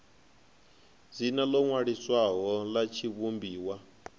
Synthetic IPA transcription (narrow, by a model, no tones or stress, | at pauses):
zinalɔŋwaɺiswaɦɔlat͡ʃʰiβumbiːwa